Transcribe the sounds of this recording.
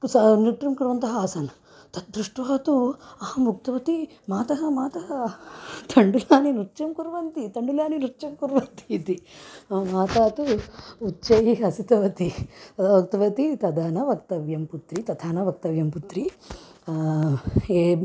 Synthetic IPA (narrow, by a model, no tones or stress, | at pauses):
sɐnuʈɾɐmkuɾʋɐnt̪ɐɦɐaːsɐn | t̪ɐt̪̚d̪ɾuʂʈʋaːt̪uɐɦɐmbuk̚t̪ɐʋɐt̪imaːt̪ɐɦɐmaːt̪ɐɦɐt̪ʰɐɳɖulaːninuɾt͡ʃɐmkuɾʋɐnt̪it̪ɐɳɖulaːninuɾt͡ʃɐmkuɾʋɐnt̪it̪imaːt̪aːt̪uːt͡ʃːt͡ʃɐjiɐsit̪ɐʋɐt̪iɐʋukt̪ɐʋɐt̪it̪ɐd̪ʱaːnɐʋɐk̚t̪ɐʋjɐmput̪ɾit̪ɐd̪ʰaːnɐʋɐk̚t̪ɐʋjɐmput̪ɾi | eː